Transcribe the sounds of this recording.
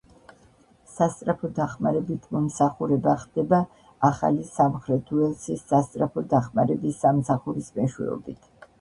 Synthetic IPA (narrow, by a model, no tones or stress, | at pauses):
sast̪sʼɾapʰɔd̪aχmaɾɛbit̪ʰmɔmsaχuɾɛbaχd̪̥ɛba | aχa̰lisamχɾɛt̪ʰuɛlsʰisːast̪sʼɾapʰɔd̪aχmaɾɛbisːamsaχuɾismɛʃwɛ̰ɔ̰bit̪ʰ